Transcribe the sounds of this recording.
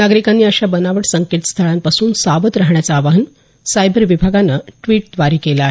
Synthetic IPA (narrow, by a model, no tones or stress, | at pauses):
naɡɾikanːiːəɕabənaʋəʈsəŋket̪st̪ʰəɭampasuːnsaʋət̪ɾaɦɳjat͡saːʋaɦən | sajbəɾʋibʱaɡanːəʈʋiːʈd̪ʋaɾiːkelaaːɦe